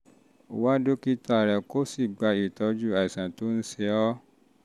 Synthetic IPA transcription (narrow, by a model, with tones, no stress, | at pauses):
wa˦do˦ki˦ta˧˨ɾɛ˨ko˦si˦˨ɡ͡ba˧i˨tɔ˨˧d͡ʒu˦˨a˨i˨sã˨to˦n̩˦se˧ɔ˦